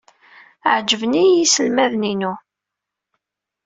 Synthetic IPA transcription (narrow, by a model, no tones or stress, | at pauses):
ʕd͡ʒəvniisəlmæðninu